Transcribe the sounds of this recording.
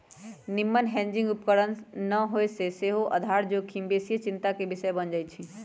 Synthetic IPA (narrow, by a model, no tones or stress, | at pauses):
nɪmːənɦɛ̃ːɲd͡ʒɪ̃ŋɡʊpkəɽənnəɦoːeseseɦoʔɐd̪ʱaːɾd͡ʒoːkʰĩmbeːsijət͡ʃɪ̃nt̪akebɪsəbənd͡ʒaːit͡ʃʰi